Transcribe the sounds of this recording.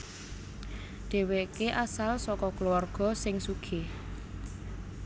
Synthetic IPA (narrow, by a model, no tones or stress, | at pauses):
ɖ̪̥e̤wekeʔasalsɔkɔkluwarɡ̥ɔ̤sɪŋsuɡ̥e